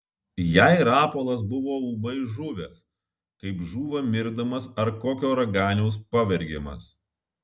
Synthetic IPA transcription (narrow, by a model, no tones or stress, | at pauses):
jæɪɾɑːpoːlˠɐs̬bʊʋoːuːbɐɪʒʊʋʲɛs | kɐɪpʒuːʋɐmʲɪɾd̪ɐmɐsɐɾkoːkʲoːɾɐɡɑːnʲɛʊs̬pɐʋʲɛɾʲɡʲemɐ̰s